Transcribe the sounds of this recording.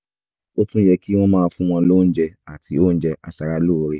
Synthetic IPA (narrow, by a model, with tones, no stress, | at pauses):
o˦tũ˦jɛ˧ki˦w̃ɔ̃˦mãː˦˧fũ˦w̃ɔ̃˧lo˦n̩˦d͡ʒɛ˧a˨tʰi˨o˦n̩˦d͡ʒɛ˧ʔa̰˧ʃa˧ɾa˧lo˦o˨ɾe˧